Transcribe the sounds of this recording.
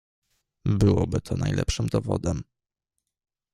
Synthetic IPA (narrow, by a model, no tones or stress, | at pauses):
bɘwɔbɘt̪ʰɔnajlʔɛpʂɘmd̪ɔvɔd̪ɛm